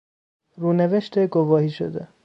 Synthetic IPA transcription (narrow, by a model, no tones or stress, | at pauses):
ɾuːneveʃt̪eɡovɒːhiːʃo̰d̪e